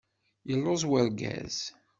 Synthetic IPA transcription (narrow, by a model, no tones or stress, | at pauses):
jəlːozˤwəɾɡæ̰z̥